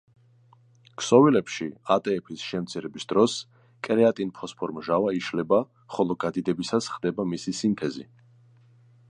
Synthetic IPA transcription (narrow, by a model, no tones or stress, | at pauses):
kʰsɔvilɛpʃiat̪ʼɛːpʰisʃɛmt̪sʰiɾɛbisd̪̥ɾɔs | kʼɾɛat̪ʼinpʰɔspʰɔɾmʒavaiʃlɛba | χɔlˠɔɡad̪id̪ɛbisasχd̪ɛbamisisint̪ʰɛzḭ